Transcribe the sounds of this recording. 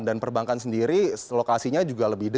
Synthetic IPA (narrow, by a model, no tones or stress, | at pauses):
ndanpərbaŋkansəndiɾilokasiɲad͡ʒuɡaləbɪhdə